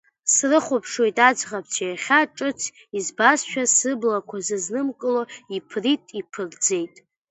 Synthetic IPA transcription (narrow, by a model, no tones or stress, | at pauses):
srɨχʷʊpʰʂwo̞jtʼad͡ʒʁapʰt͡ʃʰajaχʲaʈ͡ʂʼɨt͡sʰ | izbasʃᶣasɨblakʷʰazɨznɨmkʼɨloipʰritʼipʰɨrd͡ze̞jtʼ